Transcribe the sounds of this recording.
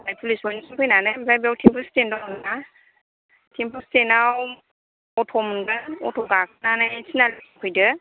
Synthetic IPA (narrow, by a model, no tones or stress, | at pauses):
bajpʰulisbɔnsikʰɯjnanɯjbzajbawtʰimpʰɯstendɔna | tʰimpʰɯstenaw | ɔtʰɔmɯnɡɯnɔ̰tʰɔɡakʰɯnanajsinalikʰikʰɯjdɯ